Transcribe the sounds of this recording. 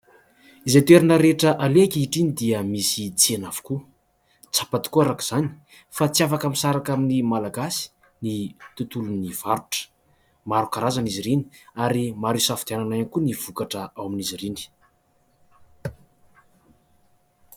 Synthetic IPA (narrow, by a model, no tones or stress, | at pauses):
izet̪eɾinəɾeʈ͡ʂəʔalekiiʈ͡ʂinid̪iəmisit͡sienav̥u̥ku | t͡sḁpat̪i̥kuaɾaki̥z̥ani̥ | fat͡siafakaminsaɾakaminimalaɡasi̥ | nit̪ut̪uluniv̥aɾuʈ͡ʂə̥ | maɾukaɾazaniziɾeni̥aɾimaɾisafd̪ananajanikuniv̥ukaʈ͡ʂəawaminizirini̥